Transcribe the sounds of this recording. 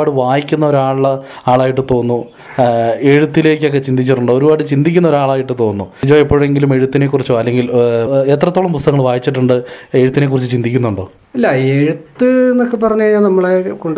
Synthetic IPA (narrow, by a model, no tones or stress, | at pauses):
aːɽɨʋaːjikʲːunːɐo̞ɾaːɭɭɐaːɭaːjiʈːɨt̪o̞ːnːu | e̞ɻut̪ːile̞ːkʲːok̬ːe̞t͡ɕind̪it͡ɕːiʈːuɳɖoːoɾubaːɽɨt͡ɕind̪ik̬ʲːunːɐo̞ɾuaːɭaːjiʈːɨt̪o̞ːnːuid͡ʑoːipːo̞ːɻeŋɡilume̞ɻut̪ːine̞kːurit͡ɕːuɐlːe̞ŋɡilet̪̬rɐt̪ːoːɭɐmpust̪ɐɣŋːɐɭʋaːjit͡ɕːiʈːuɳɖɨe̞ɻut̪ːinekːurit͡ɕːut͡ɕind̪ikʲːunːuɳɖo̞ː | ɐlːɐeɻut̪ːɨenːokːepɐrɐɲːuaɲaːnnɐmːɐɭekoɳɖ